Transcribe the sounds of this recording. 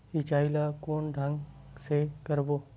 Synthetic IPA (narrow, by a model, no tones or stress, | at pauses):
it͡ʃaːilakoːnd̪ʱə̃ŋɡsekəɾboː